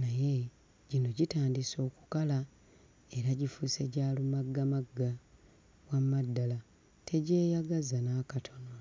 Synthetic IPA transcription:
naje̞ | ɟino̞ɟitaːndiso̞ːku̥kala | e̞ɾaɟifuse̞ɟaːlumaɡːamaɡːa | wamadːala | tʰe̞ɟe̞ːjaɡazanaːkatʰo̞na

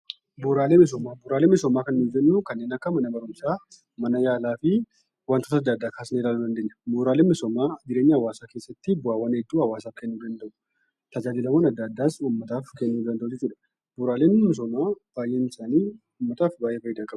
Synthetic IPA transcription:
buːɾaːleːmɛs̬ɔmaːbʊːɾaːleːmɪsɔmaːkɐnnid͡ʒɛnːukɐnːeːnɐkːɐmɐnɐbɐɾʊmsaː | mɐnɐjaːlaːfɪ | wɐnt̪oːt̪ɐd̪ːad̪ːaːkaːsneːlaːluːd̪ɐnd̪e̞ːɐ̥buːɾaːleːmɪsɔmaːɡɪɾeːɲːɐɐwaːsaːke̞ːsːɐt̪ːɪbʊaːwːɐnɛd̪ːuːhɐwaːsaːfkɛnːuːd̪ɐnd̪ɐʔʊ | t̪ɐd͡ʒaːd̪iːlɐmoːnɐd̪ːɐd̪ːaːsumːɐt̪aːfkɛnːuːd̪ɐnd̪ɐʔʊd͡ʒɛt͡ʃːuːᶑɐ̥ | bʊɾaːleːnʊmːɪs̬ɔmaːb̥aːjʔeːnɪsaːniː | ʊmːɐt̪aːfbaːjʔeːfɐjɪd̪ɐŋkʼɐb

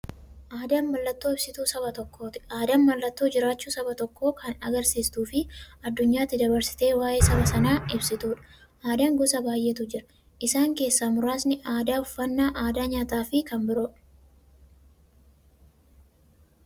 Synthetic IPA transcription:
ʔaːd̪ɐnmɐlːɐt̪ːo̞ːɪbsɪt̪uːsɐbɐt̪ɔkːo̞ːt̪ɪ̥aːd̪ɐnmɐlːɐt̪ːo̞ːd͡ʒɪɾaːt͡ʃːuːsɐbɐt̪ɔkːo̞ːkɐnɐɡɐɾsiːst̪uːfɪɐd̪ːʊɲːaːt̪ːɪd̪ɐbɐɾsɪ̥t̪e̞ːwaːʔe̞ːsɐbɐsɐnaːɪbsɪt̪uːᶑɐ̥ | ʔaːd̪aŋɡʊsɐbaːjʔɛt̪ʊd͡ʒɪɾɐ̥ | ʔɪsaːŋke̞ːsːaːmʊɾaːsnɪʔaːd̪aːʊfːɐnːaːʔaːd̪aːɲaːt̪aːfɪkɐmbɪɾɔᶑ

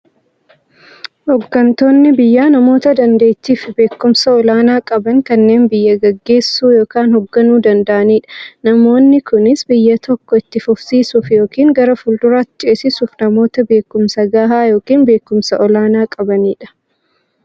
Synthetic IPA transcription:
hɔɡːɐnt̪o̞ːnːɪbɪjːaːnɐmo̞ːt̪ɐd̪ɐnd̪e̞ːt̪ːiːfɪbe̞ːkːʊmsɐɔlaːnaːkʼɐbɐŋkɐnːe̞ːnbɪjːɐɡɐɡːe̞ːsːuːjo̞ːkaːnhɔɡːɐnuːd̪ɐnd̪ɐʔɐniːᶑɐ̥nɐmo̞ːnːɪkʊnɪsbɪjːɐt̪ʰɔkːɔɪt̪ːɪfʊfsiːsuːfjo̞ːkiːŋɡɐɾɐfʊld̪ʊɾaːɪt͡ʃʼeːsɪsuːfnɐmo̞ːt̪ɐbe̞ːkːʊmsɐɡaːɦaːjo̞ːkiːnbe̞ːkːʊmsɐʔɔlaːnaːkʼɐbɐniːᶑɐ̥

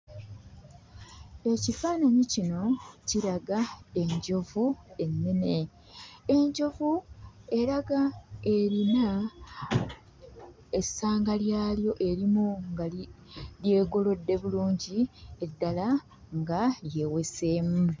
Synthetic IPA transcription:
e̞cifaːnaɲicino̞ciɾaɡae̞ɲɟo̞vue̞nːe̞ne̞ | eɲɟo̞vue̞ɾaɡae̞ɾina | esaːŋɡaljaːljo̞ʔe̞ɾimuŋɡa | lje̞ːɡo̞lo̞dːe̞βuluːɲɟie̞dːala | ŋɡaje̞ːwe̞se̞ːmu

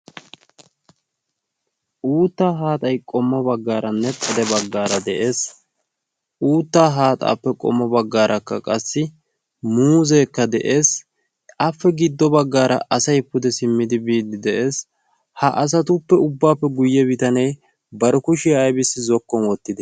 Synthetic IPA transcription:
ʔuːt̪ːaːɦaːt̪ʼɐjkʼɔmːɔbɐɡːaːɾɐnːɛtʼɐd̪ɛbɐɡːaːɾɐd̪ɛʔe̞ːs | uːt̪ːaːɦaːt̪ʼa̰ːpːɛkʼɔ̰mːɔbɐɡːaːɾʔɐkːɐkʼɐsːɪ | muːzeːkːɐd̪ɛʔe̞ːs | ɐfːɛɡɪd̪ːɔbɐɡːaːɾɐ̰ʔɐsɐjpːʊd̪ɛsɪmːɪd̪ɪbiːd̪ɪd̪ɛʔe̞ːs | hɐʔɐs̬ɐt̪ʊpːɛʊbːaːpːɛɡʊjːɛbɪt̪ɐnɛj | bɐɾɔkʊʃɪːjbɪsːɪzɔkːɔnwɔt̪ːɪd̪ɛ

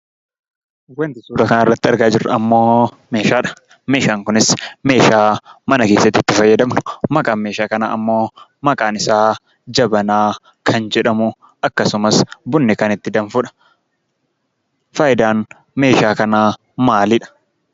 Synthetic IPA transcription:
wɐnt̪ɪsuːɾɐkɐnaɪrːɐt̪ːɪɐɾɡaːd͡ʒɪrːɐɐmːo̞ː | me̞ːʃaːᶑɐ̥ | me̞ːʃaːŋkʊnɪsme̞ːʃaːmɐnɐke̞ːsːɐt̪ːiɪːt̪ːɪfɐjːɐd̪ɐmnʊ̥mɐkʼaːnme̞ːʃaːkɐna̰ːɐmːo̞ːmɐkʼaːnɪsaː | d͡ʒɐbɐnaː | kʰɐnd͡ʒɛᶑɐmʊ | ɐkːɐsʊmɐsbʊnːɪkɐnɪt̪ːɪd̪ɐnfʊᶑɐ̥ | fɐjɪd̪aːn | me̞ːʃaːkɐnaː | maːliːᶑɐ̥

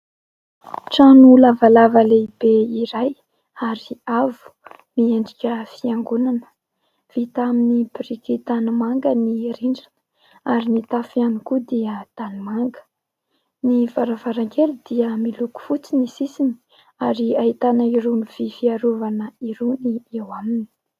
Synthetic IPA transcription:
ʈ͡ʂanulavalavəleibeiɾaj | aɾiavu̥ | mieɳɖ͡ʐikʲəfiaŋɡunanə̥ | v̥it̪aminibiɾikit̪anamaŋɡəniɾiɳɖ͡ʐan | aɾinit̪afianikud̪iət̪animaŋɡə̥ | nivaɾavaɾaŋkelid̪̥iəmiluku̥fut͡sinisisini̥ | aɾiait̪anaiɾuniv̥ifiaɾuvanəiɾuniewamini̥

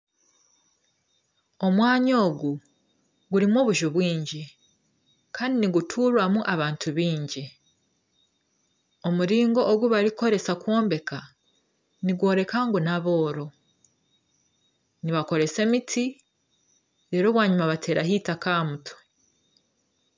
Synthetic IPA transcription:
o̞mwaːɲo̞ːɡu | ɡuɾimo̞ːβuʒoβwiːɲɟi | kaːndiniɡutʰuːɾwamuʔaβaːntʰuβiːɲɟi | omuɾiːŋɡo̞ʔːɡuβaɾiko̞ɾe̞sakwoːmbe̞kʰa | niɡwo̞ːɾe̞kaŋɡunaβo̞ːɾo̞ | niβako̞ɾe̞se̞mitʰi | ɾe̞ːɾo̞βwaːɲumaβatʰe̞ːɾaɦiːtakaːmutʰo̥

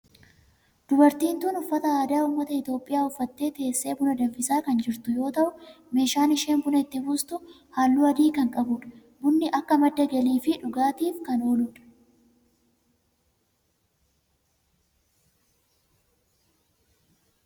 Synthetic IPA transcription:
d̪̥ʊbɐɾt̪iːnt̪uːnʊfːɐt̪ɐaːd̪aːʊmːɐt̪ɐɪt̪jo̞ːpʼːɪjaːʊfːɐt̪ːe̞ːt̪e̞ːsːe̞ːbʊnɐd̪ɐmfɪsaːkɐnd͡ʒɪɾt̪ʊjo̞ːt̪ɐʔʊ | me̞ːʃaːnɪʃe̞ːnbʊnɐɪt̪ːɪbuːst̪ʊ | haːlːuːɐd̪iːkɐŋkʼɐbʊᶑɐ̥ | bʊnːɪʔɐkːɐmɐd̪ːɐɡɛliːfɪᶑʊɡaːt̪iːfkɐno̞ːluːᶑɐ̥

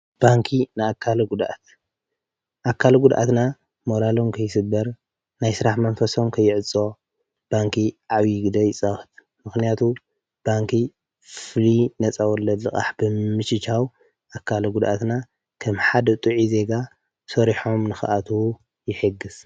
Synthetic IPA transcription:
b̥aŋkʰinɨakʰːalɐɡud̪ʔa̰t̪̚ | ʔakʰːalɡud̪ʔa̰t̪na | moɾalo̞mkʰɐjsɨbːɐɾ | najsɨɾaħmɐnfɐso̞mkʰɐjːɪʕɨt͡sʼo̞ | b̥aŋkʰiʕaβiɡɨd̪ɐjɪt͡sʼaxɨ̥t̪ | mɨxnijat̪ʰu | b̥aŋkʰi | flinɐt͡sʼawɔlːɐd̪lɨkʼa̰ħbɨmɨʃɨt͡ʃaw | ʔakːalɐɡud̪ʔat̪na | kʰɐmħad̪ɐt̪ʼuʕize̞ɡa | sɐɾiħo̞mnɨxɨ̰ʔat̪ʰu | jɪħɨɡːɨs

